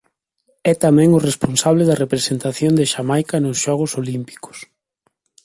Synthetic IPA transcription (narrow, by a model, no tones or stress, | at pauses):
ɛt̪amɛ̃ŋʊresponsaβlɪðɐrepɾesent̪aθjond̪ɪʃamajkɐnʊsʃɔɣ̞ʊsolimpi̥kʊ̥s